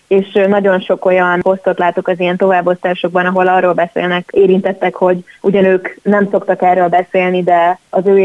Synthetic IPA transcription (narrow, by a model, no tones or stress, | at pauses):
eːʃnɒɟo̞nʃo̞ko̞jɒno̞st̪o̞t̪laːt̪okɒzijɛnt̪o̞vaːbːo̞st̪aːʃo̞ɡ̚bɒnɒɦo̞lɒroːlbɛsḛːlnɛkeːɾint̪ɛt̪ːɛkho̞ɟuɟɒnøːknɛmso̞kt̪ɒkɛrːøːlbɛseːlnid̪ɛɒzøː